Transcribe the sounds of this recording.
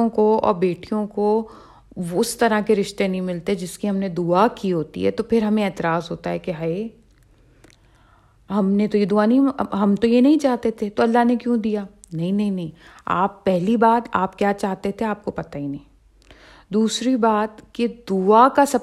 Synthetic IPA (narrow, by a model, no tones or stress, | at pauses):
õkoɔ̰ːɾbeːʈijõko | ʋoʊst̪ɐɾakeɾɪʃt̪enɐɦĩmɪlt̪eɦɛd͡ʒɪskiɦɐmned̪uakiɦoːt̪ḭɦɛ̰t̪opʰɪɾɦɐmẽɛːt̪ɪɾaːzɦoːt̪aɦɛkeɦae | ɦɐmnet̪ojed̪uanɐɦĩɦɐmt̪ojenɐɦĩt͡ʃaːɦt̪et̪ʰet̪oɐlːaɦnekjõd̪ijaː | nɐɦĩnɐɦĩnɐɦĩːa̰ːpːɛɦlibaːt̪aːpkjaːt͡ʃaːɦt̪et̪ʰeaːp̚kopɐt̪ainɐɦĩː | d̪uːsɾibaːt̪ked̪uakasɐ